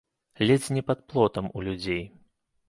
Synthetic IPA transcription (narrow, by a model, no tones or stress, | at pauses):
lʲɛd͡zʲnʲɛpɐt̪̚plˠɔt̪ɐmṵlʲud͡zʲej